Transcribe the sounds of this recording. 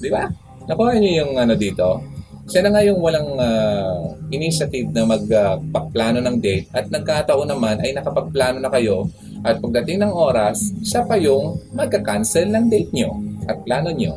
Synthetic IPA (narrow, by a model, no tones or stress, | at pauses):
d̪ɪba | nɐkoɾɐɲojʊŋɐno̞d̪iːt̪o̞ʃanɐŋajʊŋwɐlaŋa | ʔɪniʃɐt̪ɪvnɐmɐɡ̚apɐplaːno̞nɐŋd̪ɛjt̪̚ʔɐt̪̚nɐɡ̚kaːt̪ɐʔo̞nɐmanʔɐjnɐkɐpɐɡ̚plaːno̞nɐkɐjo̞ | ʔɐt̪̚pɐɡ̚d̪ɐt̪ɪŋnɐŋʔo̞ːɾɐsʃapɐjʊŋmɐɡ̚kɐkansɛlnɐŋd̪ɛjt̪̚ɲo̞̰ʔɐt̪̚plaːno̞ɲo̰